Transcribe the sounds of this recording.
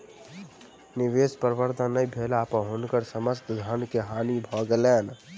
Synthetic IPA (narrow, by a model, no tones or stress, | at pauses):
nɪʋeːspəɾʋəɾd̪ʱənːəibʱeːlaːpɦonkəɾsəməst̪d̪ʱənkeɦaːnibʱɔːɡəleːn